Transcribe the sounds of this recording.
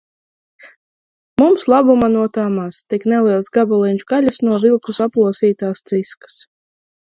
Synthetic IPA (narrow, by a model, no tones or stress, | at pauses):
mumslˠabumanuɔt̪aːmaːst̪iknɛlˠiɛlˠsɡabɔlˠinʲt͡ʃuɡalʲasnuɔvilˠkusaplˠuɔsiːt̪aːst̪siskḁs